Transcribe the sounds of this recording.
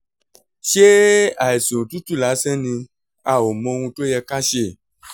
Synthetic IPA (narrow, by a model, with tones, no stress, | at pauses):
ʃe˦a˨e˨so˨tu˦t̪u˦la˨˦sɛ̃˦nĩ˧ | a˨wo˨mɔ̃˨˧ŋũ˧to˦jɛ˧ka˦ʃe˦˨